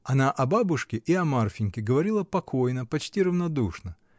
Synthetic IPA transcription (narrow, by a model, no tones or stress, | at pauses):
ɐnaʔɐbabʊʂkʲɪʔiɐmarfʲɪnʲkʲɪɡəvɐɾʲilˠəpɐkʰo̞jnəpɐt͡ɕtʲirəvnɐd̪uʂnə